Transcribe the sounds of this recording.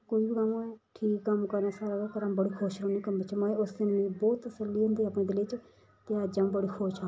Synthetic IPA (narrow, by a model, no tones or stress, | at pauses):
koːiːbikamãɛʈʰiːkːəmkəɾnaːsaːɾaːaːkəɾãːmbəɽiːkʰoːʃɾõːneːkəmt͡ʃəmaːẽːʊsd̪ɪnʋĩːbɔːt̪ːəsəlːiːɦʊ̃nd̪iːaːpnẽːd̪ɪlɪt͡ʃ | t̪eaːd͡ʒãːbəɽiːkʰoːʃaː